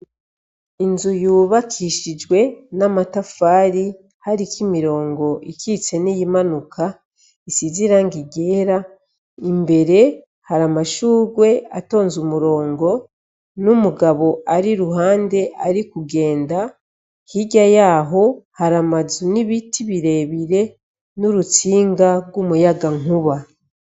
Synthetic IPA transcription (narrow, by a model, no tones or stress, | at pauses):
inzujuːβakʰiʃid͡ʒɡwe̞namatafaːɾi | haɾikimiɾo̞ːŋɡo̞ikʰit͡se̞nijimanukʰa | isiziɾaŋɡiɡe̞ːɾa | imbe̞ɾe̞ | haɾamaʃuːɡwe̞a̰to̞ːnzumuɾo̞ːŋɡo̞ | numuɡaβo̞ʔaɾiɾuɦaːnde̞ʔaɾikuɡe̞ːnda | hiɟajaːɦo̞haɾamazuniβitʰiβiɾe̞βiɾe̞ | nuɾut͡siːŋɡaɡwumujaɡaŋuβa